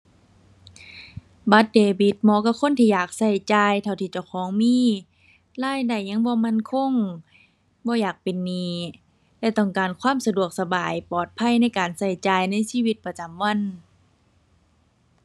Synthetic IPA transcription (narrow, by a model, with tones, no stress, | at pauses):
ba˧˦t̪̚deː˨˩bi˧˦t̪̚mɔː˧˦ka˧˩kʰo˧˥˨nt̪ʰiː˧˨jaː˨˩k̚sa˧˩jt͡ɕaː˧jt̪ʰa˧˩wt̪ʰiː˧˩t͡ɕa˧˩wkʰɔː˨˦ŋmiː˧˥˨ | laː˧˥˨jda˧˩jɲa˧˥˨ŋbɔː˧˦ma˧˥˨nkʰo˧˥˨ŋ | bɔː˧˦jaː˨˩k̚pe˨nːiː˧˥ | lɛː˧˩t̪ɔ˧˩ŋkaː˨˩nkʰwaː˧˥˨msa˧du˧˩ək̚sa˧baː˨˩jpɔː˨˩t̪̚pʰa˧˥˨jna˥˨jkaː˨˩nsa˧˩jt͡ɕaː˨˩jna˧˥˨jsiː˧˥˨wi˧t̪̚pa˧t͡ɕa˨mwa˧˥˨n